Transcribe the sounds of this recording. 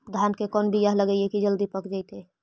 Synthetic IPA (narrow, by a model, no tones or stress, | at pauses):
d̪ʱankekɔnbʱijaɦləɡəjekid͡ʒəld̪ipəkd͡ʒajt̪e